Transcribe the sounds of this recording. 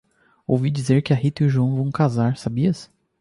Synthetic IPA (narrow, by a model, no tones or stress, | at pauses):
owvid͡ʒizeɾkɪaɦit̪iʒuɐ̃w̃vɐ̃w̃kazaɾsabiɐs